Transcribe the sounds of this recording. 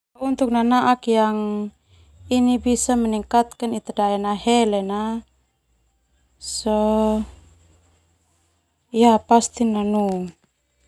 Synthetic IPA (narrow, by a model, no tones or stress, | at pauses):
aunt̪uk̚nanaʔakjaŋ | inibisamɛniŋkat̪̚kanit̪adaɛnaɦɛlɛna | sɔ | japast̪inanu